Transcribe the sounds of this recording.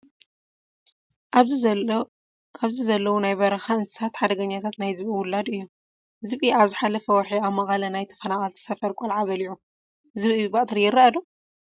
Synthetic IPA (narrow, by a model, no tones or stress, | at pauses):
aβzizɐlːɐwunajβɐɾɐxaɨnsɨ̥sat̪ħad̪ɐɡɐɲːat̪ʰat̪najzɨβiwʊlːad̪ɨjːu | ɨzɨβiaβzɨħalɐfɐwɐħiaβmɐχʼalɐnajt̪ʰɐ̥fɐnaχʼalt̪ʰi̥sɐfɐɾkʷʼolʕaβɐliʕu | zɨβibɐʔʼt̪ʰɨɾijɪɾɐɐd̪u